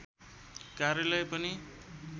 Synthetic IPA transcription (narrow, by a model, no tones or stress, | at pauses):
kaɾjʌlʌjpʌni